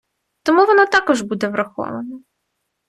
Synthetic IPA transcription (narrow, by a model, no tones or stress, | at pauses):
t̪ɔmuʋɔnat̪ɑkɔʒbud̪ɛʋɾɐxɔ̰ʋɐnɐ